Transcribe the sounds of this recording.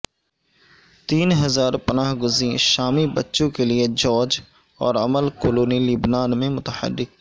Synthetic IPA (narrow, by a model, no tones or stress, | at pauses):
t̪iːnɦɐzaːɾpɐnaːɦɡʊzĩʃaːmibɐtːʃõkelied͡ʒɔːd͡ʒ | ɔːɾɐməlkoːloːnilibnaːnmẽmʊt̪əhə̰rːɪk̚